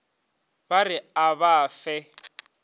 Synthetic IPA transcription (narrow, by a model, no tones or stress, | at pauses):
barɪaβaːfɛ